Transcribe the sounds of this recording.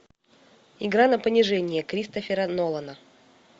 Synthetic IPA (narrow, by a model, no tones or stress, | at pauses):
ɪɡɾanɐpənʲɪʐɛnʲɪjəkɾʲist̪əfʲɪɾənolˠənə